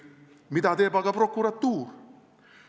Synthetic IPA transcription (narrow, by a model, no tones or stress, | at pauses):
mit̪ad̪ebaɡapɾokuɾat̪uɾ